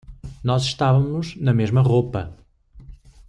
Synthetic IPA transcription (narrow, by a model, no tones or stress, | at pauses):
nɔziʃt̪avɐmuʒnɐmeʒmɐʁopɐ